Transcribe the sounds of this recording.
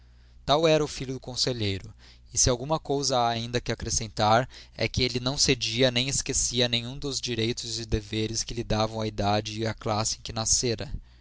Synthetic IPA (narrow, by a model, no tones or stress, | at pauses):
t̪awɛɾɐʊfiʎʊd̪ʊkõseʎejɾʊ | ɪsɪawɡũmɐkowzɐaːĩnd̪ɐkɪakɾesẽnt̪aɾɛ̰kɪelɪnɐ̃w̃sed͡ʒiɐnẽj̃ɪskesiɐnẽj̃ũd̪ʊzd͡ʒiɾejt̪ʊzd͡ʒɪd̪eveɾɪskɪlɪd̪avɐ̃w̃ɐid̪ad͡ʒɪːaklasɪẽkɪnaseɾɐ